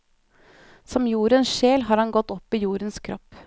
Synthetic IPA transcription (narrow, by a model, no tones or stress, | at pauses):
sɔmjuːɾənsʃeːlɦɑːɾhɑnɡɔt̪ːɔpːɪjuːɾənskʰɾɔpː